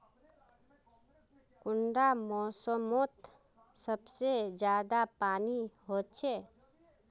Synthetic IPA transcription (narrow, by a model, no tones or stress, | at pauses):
kʊɳɖamɔːsəmot̪ | səbsed͡ʒjaːd̪apaːniɦoːt͡ʃʰeː